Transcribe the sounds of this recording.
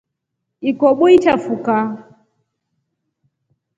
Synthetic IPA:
ikɔɓɔit͡ʃafuka

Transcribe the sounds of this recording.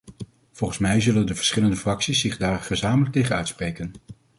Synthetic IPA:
v̥ɔlˠχənsmɛjzɵləndəvə̥ɹsχɪləndəfrɑksisːɪχdaːrχəzaːmələk̚tejχənœ̰ɥtsprejkən

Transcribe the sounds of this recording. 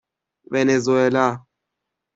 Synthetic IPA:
βɛnɛzwɛla

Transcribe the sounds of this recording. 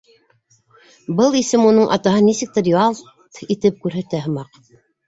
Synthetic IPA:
bɤlˠisɘmunɤɴʔɑ̰t̪ɑɦɤnisɘk̚t̪ɘɾjoɑlˠ | t̪it̪ɘp̚kʉɾɦæt̪æɦɤ̆mɑq

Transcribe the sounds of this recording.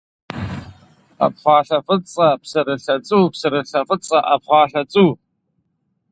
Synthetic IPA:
a̰pʰχʷaːɬafɨt͡sʼapʰsɨɾɨɬat͡sʼupʰsɨɾɨɬafɨt͡sʼaʔapʰχʷaːɬat͡sʼu

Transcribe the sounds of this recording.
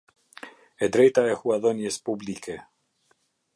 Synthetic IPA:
ɛd̪ɾɛjt̪aɛhuaðɔnjɛspublikɛ

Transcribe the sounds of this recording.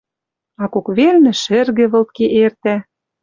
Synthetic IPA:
ɑkokβelnɘ̆ʃɘ̆rɣɘ̆βɤ̆lt̪̚keʔert̪æ

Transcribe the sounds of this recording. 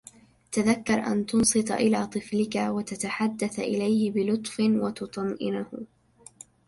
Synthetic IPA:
t̪aðakːɑɾˤʔa̰nt̪ʊnsˤɨt̪ˤɑ̰ʔɪlaːt̪ˤɨflɪkawat̪at̪aħad̪ːaθʔɪ̰lajhɪbɪlʊt̪ˤfɪwat̪ʊt̪ˤɑnʔɪnahʊ

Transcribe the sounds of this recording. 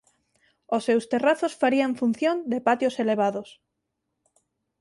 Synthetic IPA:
osːewst̪eraθosfaɾiaɱfun̟θjõnd̪epat̪joseleβ̞aðos

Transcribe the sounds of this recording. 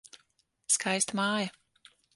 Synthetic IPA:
skʰajst̪maːja

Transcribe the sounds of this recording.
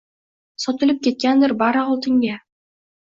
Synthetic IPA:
sɒt̪ɪlˠɪp̚kʲʰe̞t̪̚kʲand̪ɪɾbaɾɑʁɒlˠt̪ʰɪŋɡʲa

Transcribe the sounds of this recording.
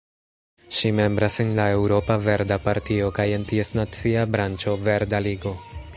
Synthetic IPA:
ʃime̞mbɾasenlae̞wɾo̞pave̞ɾdapaɾtio̞kaje̞ntie̞snat͡siabɾant͡ʃo̞ve̞ɾdaliɡo̞

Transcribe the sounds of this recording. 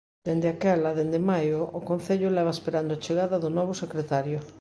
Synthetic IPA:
d̪̥end̪eakɛlaðend̪emajʊːkõn̟θeʎʊlɛβ̞aespeɾand̪ʊat͡ʃeɣaðɐðʊnɔβʊsekɾet̪aɾjʊ

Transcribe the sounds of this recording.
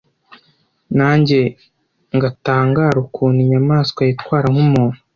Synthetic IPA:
naːɲɟe̞ | ŋɡataːŋɡaːɾukʰuːniɲamaːskwajitkwaːɾaŋ̥humuːn̥u̥

